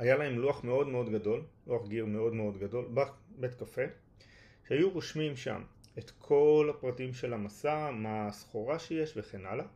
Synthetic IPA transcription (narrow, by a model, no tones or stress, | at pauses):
hajalae̞mluaχme̞o̞dmeo̞dɡado̞lluaχɡiʁme̞o̞dme̞o̞dɡado̞lbabe̞tkafe̞ | ʃeajuʁoʃmimʃa̰me̞t̪kʰo̞lhapʁatimʃe̞lamasamasχo̞ʁaʃeje̞ʃve̞χe̞nala